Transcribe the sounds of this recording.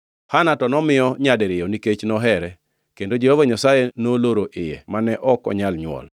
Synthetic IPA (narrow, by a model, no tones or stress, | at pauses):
hanatɔnɔmɪjɔɲadɛɾɪjɔniket͡ʃnɔɦɛɾɛ | kendod͡ʒehovaɲasajenoloɾoʔɪjɛ̰manɛʔɔkɔ̰ɲalɲwɔ̰l